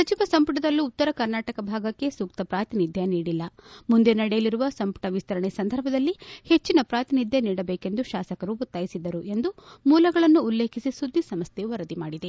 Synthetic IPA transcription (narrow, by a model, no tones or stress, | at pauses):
sɐt͡ʃiʋɐsɐmpuʈɐd̪ɐlːiːt̪ːɐɾɐkɐɾnaːʈɐkɐbʱaːɡɐkːe̞suːk̚t̪ɐpɾaːt̪inid̪ʱjɐniːɽilːɐmund̪enɐɽɛjɐliɾuʋɐsɐmpu̥ʈɐʋist̪ʰɐɾɐɳesɐnd̪ʱɐɾbʱɐd̪ɐlːihe̞t͡ʃːinɐpɾaːt̪inid̪ʱjɐniːɽɐbeːke̞nd̪uʃaːsɐkɐɾuut̪ːaːjisid̪ɐɾuʔe̞nd̪umuːlɐɡɐɭɐnːuːlːeːkʰisisud̪ʱːisɐmɐst̪ʰeuʋɐɾɐd̪imaːɽid̪e̞